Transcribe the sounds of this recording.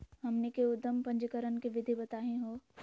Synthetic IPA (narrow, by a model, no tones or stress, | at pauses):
ɦɐmnekeʊd̪əmpɐ̃ɲd͡ʒəkəɾənkeʋɪd̪ʱibɐt̪aːɦẽɦoː